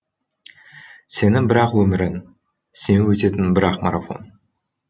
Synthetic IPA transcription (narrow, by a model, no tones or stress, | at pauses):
se̞nɪŋbɪɾɑqwɵmɪɾɪn | senɪwɵt̪e̞t̪ɪnbɪɾɑqmaɾafo̞̰n